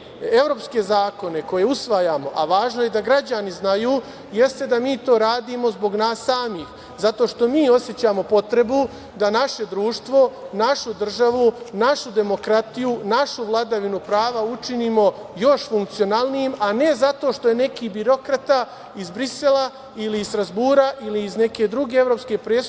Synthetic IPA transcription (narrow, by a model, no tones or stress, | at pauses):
e̞ʋɾo̞ːpske̞zaːko̞ne̞ko̞je̞usʋajaːmo̞ʔaʋaːʒnoje̞d̪aɡɾad͡ʑaniznajuː | je̞st̪e̞d̪amiːt̪o̞ːɾaːd̪iːmo̞zbo̞ɡnaːsːaːmiːx | zat̪o̞ːʃt̪o̞miːo̞sjet͡ɕaːmo̞po̞t̪ɾe̞bu | d̪anaʃe̞d̪ɾuːʃt̪ʋo̞naʃud̪r̩ʒaʋunaʃud̪e̞mo̞kɾat̪ijunaʃuʋlˠad̪aʋinupɾaːʋaut͡ʃiniːmo̞ | jo̞ʃfuŋkt̪sijo̞naːlˠnijimane̞zat̪o̞ʃt̪o̞je̞ne̞kiːbiɾo̞kɾat̪a | izbɾise̞lˠa | iliːzst̪ɾazbuːɾaʔiliːzne̞ke̞d̪ɾuɡe̞eʋvɾo̞ːpske̞pɾe̞ːs